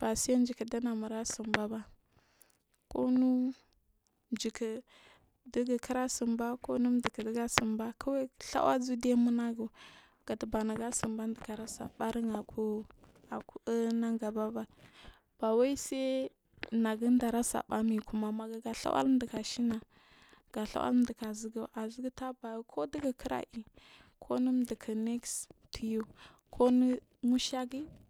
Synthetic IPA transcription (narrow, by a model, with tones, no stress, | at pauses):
b̥a˨si˦ja˦n˦d͡ʒi˨kə˨da˦na˨mu˨ɾa˦su˨mba˦ba˦ | ko˦nu˦ | nd͡ʒi˨kə˨ | də˦ɡə˨kə˦ɾa˦sə˨mba˦ko˦nu˦di˨kə˨də˨˦ɡa˦sə˨mba˦kʰə˦we˦ɬa̰˦wʔa̰˦d͡zu˦de˦mu˦na˦ɡu˨ | ɡ̥a˨tba˨na˨ɡa˦si˨mba˦ndə˨ka˨ɾa˦sa̰˨ba˦ɾə˦ŋa˨ku˦ | a˨ku˦ə˦na˦ŋɡa˨ba˦ba˨ | b̥a˨wa˦i˦se˦ | na˨ɡə˦n˦da˨ɾa˦sa̰˨ba˦mi˨ku˦ma˨ma˨ɡa˨ɡa˨ɬa̰˦wʔa̰˦ldə˨ka˨ʃi˦na˨ | ɡ̥a˨ɬa̰˦wa̰˦lm˦də˨ka˨zi˦ɡu˦ʔa˨zi˦ɡi˦ta˦ba˨˦kʰo˦di˦ɡa˨kʰə˦ɾa̰˨ʔi˨ | kʰo˦nə˦m˦də˨kʰa˨ne˦kstʰu˨ju˦ | kʰo˦ni˦ | mu˦ʃa˦ɡi˦